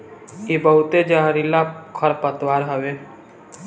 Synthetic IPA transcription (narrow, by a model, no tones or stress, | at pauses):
ebəɦʊt̪ed͡ʒaɦɾilakʰəɾpət̪waːɾɦəʋeː